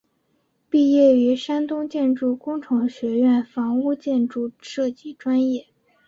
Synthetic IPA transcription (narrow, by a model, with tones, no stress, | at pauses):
pi˥˧jɛ˥˩y˧˥ʂa˥nt̪ʊ˥ŋt͡ɕjɛ˥˧nʈ͡ʂu˥˩kʊ˥ŋʈ͡ʂʰɤ˧˥ŋɕɥɛ˧˥ɥɛ˥˩nfɑ˧˥ŋu˥˧t͡ɕjɛ˥˧nʈ͡ʂu˥˧ʂɤ˥˩t͡ɕi˥˩ʈ͡ʂwa˥njɛ˥˩